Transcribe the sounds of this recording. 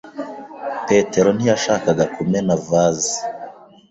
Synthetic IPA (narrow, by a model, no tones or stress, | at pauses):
pe̞te̞ɾon̥ijaʃaːkaɡakumenavaːzi